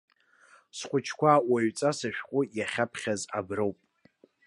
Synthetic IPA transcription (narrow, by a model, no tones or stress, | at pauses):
sχʷʼʊt͡ʃʰkʷaːʔwaɥt͡sʼasaʃᶣqʷʼʊjaχʲapʰχʲazabrowpʼ